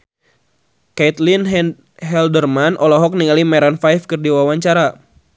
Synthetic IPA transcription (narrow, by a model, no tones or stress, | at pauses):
kait̪lin | ɦɛldərmanʔɔlɔɦɔk̚niŋalimɛɾanfajfkɨrdiwawaɲt͡ʃaɾa